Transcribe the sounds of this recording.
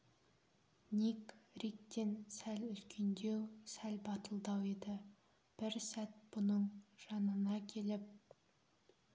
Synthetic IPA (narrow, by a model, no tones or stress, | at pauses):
nikɾik̚t̪e̞nsælʏt̪kʲʰe̞nd̪ewsælbɑt̪əlˠd̪ɑwed̪ɪ | b̥ɪɾsæt̪̚b̥ʊnəɴʒ̥ɑnənɑkʲʰe̞lɪp̚